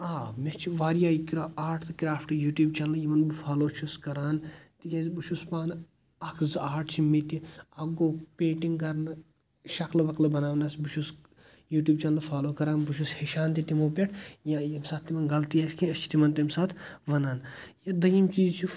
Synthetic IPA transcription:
aːmet͡ʃʰiʋaːɾjaːjikɾoaːʈʰt̪ɨkɾaːfʰʈɨjuːʈjuːbt͡ʃɐnlɐjimɐnbɨfʰaːloːt͡ʃʰuskɐɾaːnt̪ikʲezbuʃʰuspaːn | ɐkʰzaːʈʰt͡ʃʰimit̪iɐɡoːpʲeːʈiŋɡkɐɾnɨ | ʃɐklʋɐklɨbɐnaːʋnɐsbut͡ʃʰus | juːʈʲjuːbt͡ʃɐnlɐfʰaːloːkɐɾaːnbuʃʰusheʃaːnt̪it̪imoːpʲeʈʰjajɐmsat̪ʰːimɐnɡɐlt̪ijaskʰĩɐt͡ʃʰi̥t̪imɐnt̪imsaːt̪ʰʋɐnaːnjɐd̪ɐjimt͡ʃiːzt͡ʃʰi

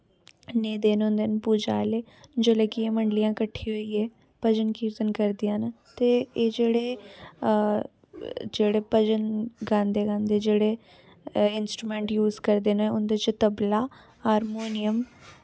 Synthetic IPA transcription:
neːd̪eːnʊ̃nd̪eːnpuːd͡ʒa̰ːleː | d͡ʒeːleːkɪeːməɳɖlɪjãːkəʈʰːiːɦoiːeː | pəd͡ʒənkiːɾt̪ənkəɾd̪ɪjãːn | t̪eːeːd͡ʒeːɽeː | d͡ʒeːɽeːpəd͡ʒənɡãːnd̪eːɡãːnd̪eːd͡ʒeːɽeː | ɪnsʈɾuːmẽːɳʈjuːzkəɾd̪eːnʊnd̪eːt͡ʃt̪əblaː | haːɾmoːnɪjəm

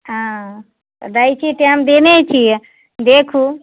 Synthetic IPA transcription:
ɦã̰ | d̪ajt͡ʃʰit̪eamd̪enet͡ʃʰijɛ | d̪ekʰu

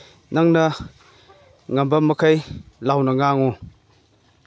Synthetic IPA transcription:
naŋnɐ | ŋambɐmɐkʰajlawnɐŋaŋo

